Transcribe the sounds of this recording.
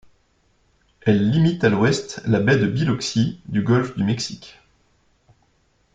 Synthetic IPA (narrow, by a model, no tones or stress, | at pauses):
ɛlːimit̪alwɛst̪labɛd̪əbilɔksid̪yɡɔlfd̪ymɛksikʲ